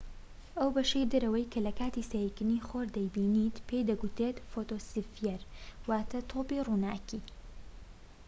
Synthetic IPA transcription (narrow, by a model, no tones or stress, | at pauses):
ʔɐwbɐʃejd̪ɐɾɐwɐjkʰɐlɐkaːt̪isɐjikɨniːxoɾd̪ɐjbiːnit̪pʰejd̪ɐɡut̪ɾet̪fot̪oːsifjɛɾwaːt̪ʰɐt̪ʰoːpiruːnaːkiː